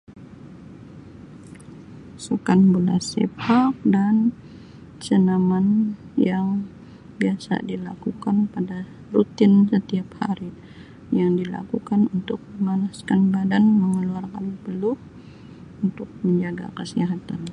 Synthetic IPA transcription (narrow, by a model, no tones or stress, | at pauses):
sukanbularsɛ̰p̚hak̚dan | t͡ʃənamanjaŋ | biasa̰dila̰kukanpada | rut̪ɪnsət̪iap̚ha̰ɾi | jaŋdila̰kukanunt̪ʊk̚məmanaskanbadanməŋəluarkanpəlʊh | unt̪ʊk̚məɲd͡ʒaɡa̰kəsiɦat̪an